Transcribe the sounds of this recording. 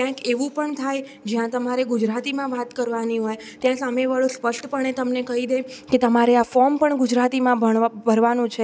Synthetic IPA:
kjãkeʋũpəɳt̪ʰajd͡ʒjãt̪əmaɾeɡud͡ʒɾat̪imãʋat̪kəɾʋaniɦojt̪jãsameʋaɭũspəʂʈpəɳ̃et̪əmnekəɦid̪eket̪əmaɾeafɔɾmpəɳɡud͡ʒɾat̪imãəbʱəɾʋanũt͡ʃʰe

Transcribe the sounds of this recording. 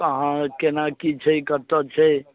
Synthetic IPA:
əɦãkenakit͡ʃʰəjkəɾt̪ɔt͡ʃʰɛ

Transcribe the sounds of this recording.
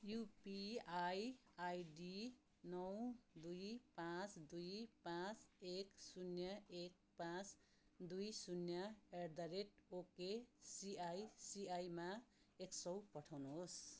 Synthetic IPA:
jupiajajɖi | nʌwd̪ujpãt͡sd̪ujpãt͡seksunjʌek̚ | pãt͡s | d̪ujsunjʌerd̪ʌɾeʈokesiajsiajma | eksʌwpʌʈʰawnuɦos

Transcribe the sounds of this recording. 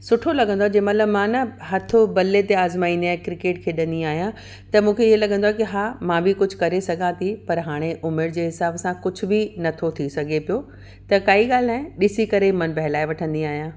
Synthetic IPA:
sʊʈʰolɐɡə̃nd̪oaɛd͡ʑeːmɐt̪ləbmãːnɐɦɐt̪ʰobɐlet̪eaːzmaːiːniaekɾɪkeːʈkʰeːɗɐ̃nd̪iaːɦijã | t̪ɐmũːkʰeɪɦelɐɡʱə̃nd̪owaɦɛkiɦaːmãːbɪkʊd͡ʑʱʊ̆kɐɾesɐɡʱãt̪ʰipɐɾɦaːɽ̃eʔʊmɪɾd͡ʑeːɦɪsaːbsãkʊd͡ʑʱʊ̆binɐt̪ʰot̪ʰisɐɡʱepijo | t̪ɐkaːiɠaːl̤aːẽɗɪsikɐɾemɐnbɐɦɪlaːeʋɐʈʰə̃nd̪iaːɦijãː

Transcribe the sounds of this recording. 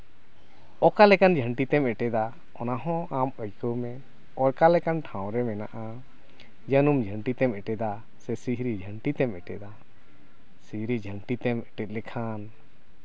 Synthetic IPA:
ɔkalɛkand͡ʒʱəɳʈit̪ɛmɛʈɛd̪a | ɔnaɦɔ̃aməjkəwmɛ | ɔɾkalɛkanʈʰãw̃ɾɛmɛnaʔa | d͡ʒənumd͡ʒʱəɳʈit̪ɛmɛʈɛd̪a | sɛsiɦɾid͡ʒʱəɳʈit̪ɛmɛʈɛd̪a | siɦɾid͡ʒʱəɳʈit̪ɛmɛʈɛt̪̚lɛkʰan

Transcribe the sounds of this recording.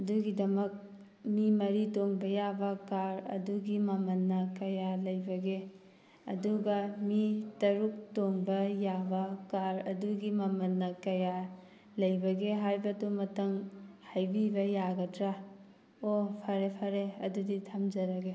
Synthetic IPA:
ɐduɡidɐmɐk̚ | mimɐɾitoŋbɐjabɐkaɾɐ̰duɡimɐmɐnːɐkɐjalɐjbɐɡe | ɐ̰duɡɐmitɐɾuk̚toŋbɐjabɐkaɾɐduɡimɐmɐnːɐkɐja | lɐjbɐɡeɦajbɐdumɐtɐŋhajbibɐjaɡɐdɾa | opʰɐɾepʰɐɾeɐduditʰɐmzɐɾɐɡe

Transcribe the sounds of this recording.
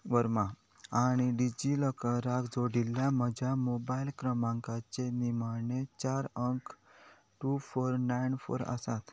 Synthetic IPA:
ʋəɾma | aɽ̃iɖid͡ʑiləkəɾakd͡zoɽilːjaməd͡ʑʱjamobailkɾəmãŋkat͡senimaɳet͡ɕaɾəŋk | ʈufoɾnajnfo̰ɾa̰sat̪

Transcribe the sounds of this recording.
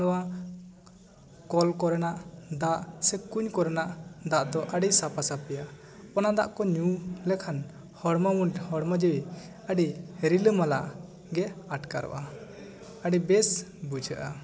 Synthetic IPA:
ɔwa | kɔlkɔɾɛnaʔd̪aʔsɛkuɲkɔɾɛnaʔd̪aʔd̪ɔʔaɖisapasapɛja | ɔnad̪a̰ʔkɔɲulɛkʰan | hɔɽmawunʈhɔɽmad͡ʒəwi | əɖiɾiləmalaʔ | ɡɛaʈka̰ɾɔ̰ʔa | əɖibɛsbud͡ʒəʔa

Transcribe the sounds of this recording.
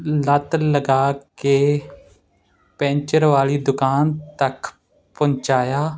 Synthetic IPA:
lət̪ləɡaːkeː | pɛ̃ːɲt͡ʃəɾʋaːliːd̪ʊkaːnt̪ək | pə̃nt͡ʃaːjaː

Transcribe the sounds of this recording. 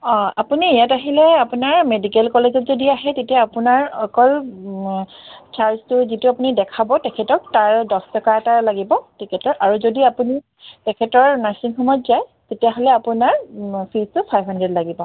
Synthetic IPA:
ɔ̃a̰puniejataɦilɛapunaɹmedikɛlkɔlezɔtzodiaɦɛtetijaapunaɹɔkɔl | t͡ʃaɹstʊzituapunidɛkʰabɔtɛkʰɛtɔk̚taɹdɔstɔkaɛtalaɡibɔtikɛtɔɹʔaɹuzodiapuni | tɛkʰɛtɔɹnasinxɔmɔjtzajtetijaɦolɛapunaɹpʰistʊpʰajbɦandɹɛdlaɡibɔ

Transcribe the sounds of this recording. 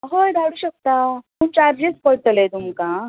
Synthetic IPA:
ɦojd̪awɽuːɕək̚t̪at̪ut͡ɕaɾd͡ʑespəɭt̪əlet̪umkã

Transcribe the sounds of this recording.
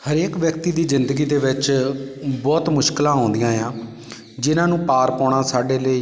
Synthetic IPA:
həɾeːkʋjəkt̪iːd̪iːzɪnd̪əɡiːd̪eːʋɪt͡ʃ | bɔːt̪mʊʃkɪlãːõːnd̪ɪjãːjãː | d͡ʒɪnãːnũːpaːɾpɔːɽãːsaːɖeːləiː

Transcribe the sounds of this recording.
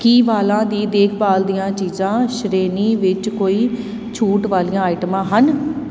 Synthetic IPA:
kiːʋaːlãːd̪iːd̪eːkʰbaːld̪ijãːt͡ʃiːzãːʃɾeːniːʋɪt͡ʃkoːiː | t͡ʃʰuːʈʋaːlijãːaːɪʈəmãːɦən

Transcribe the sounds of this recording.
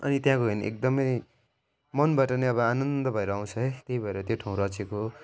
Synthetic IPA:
ʌ̰nit̪jãkoɦenʔḛk̚d̪ʌmʌj | mʌnbaʈʌneʌbʌanʌnd̪ʌbʱʌeɾʌaw̃t͡sʰʌɦejt̪jeɦibʱʌeɾʌt̪joʈʰaũɾʌt͡seko

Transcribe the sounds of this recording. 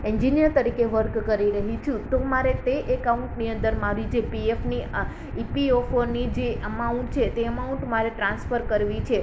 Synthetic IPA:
iɲd͡ʒinijəɾt̪əɾikeʋəɾkkəɾiɾəɦit͡ʃʰũt̪omaɾet̪eʔekauɳʈniə̃nd̪əɾmaɾid͡ʒepiefni | ipiofonid͡ʒeəmauɳʈ̚t͡ʃʰet̪eəmauɳʈmaɾeʈɾãnsfəɾkəɾʋit͡ʃʰe

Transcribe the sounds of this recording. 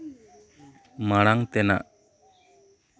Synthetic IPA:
maɽ̃aŋt̪ɛna̰ʔ

